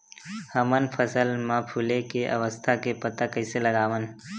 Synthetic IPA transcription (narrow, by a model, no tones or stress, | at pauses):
həmənpʰəsəlmãpʰulekeʔɐ̰ʋəst̪ʰakepɐt̪akɐɪseləɡaːʋən